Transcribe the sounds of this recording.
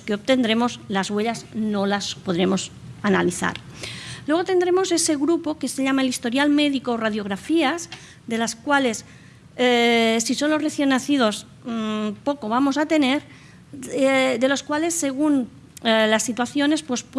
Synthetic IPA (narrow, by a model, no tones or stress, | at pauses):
keo̞pt̪e̞nd̪ɾe̞mo̞zlazɣweʎazno̞laspo̞ðɾe̞mo̞s | analiθa̰ɾlwe̞ɣ̞o̞t̪e̞nd̪ɾe̞mo̞se̞se̞ɣɾupo̞ke̞seʎamaelist̪o̞ɾjalme̞ðikoːraðjo̞ɣ̞ɾafiaz | ðe̞laskwale̞s | sisonloreθje̞nːaθið̞o̞s | po̞ko̞β̞amo̞sat̪e̞ne̞ɾ | ðe̞lo̞skwale̞sːe̞ɣ̞un | lasːit̪waθjo̞ne̞spwe̞sp